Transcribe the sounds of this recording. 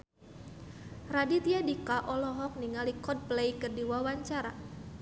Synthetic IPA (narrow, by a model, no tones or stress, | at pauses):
radit̪iadikaʔɔlɔɦɔk̚niŋalikɔd̚plejkərdiwawaɲt͡ʃaɾa̰